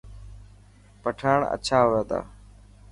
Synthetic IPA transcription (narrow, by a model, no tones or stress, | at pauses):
pəʈʰaːɳə̰t͡ʃʰaːɦoːaːt̪a̰ː